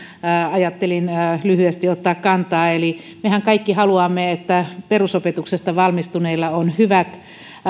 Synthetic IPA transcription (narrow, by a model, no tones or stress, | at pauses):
ɑjɑt̪ːelinlyhyest̪iot̪ːɑːkkɑnt̪ɑːeli | mehæŋkɑikːihɑluɑmːeet̪ːæperusopet̪uksest̪ɑʋɑlmist̪uneilːɑonhyʋæt̪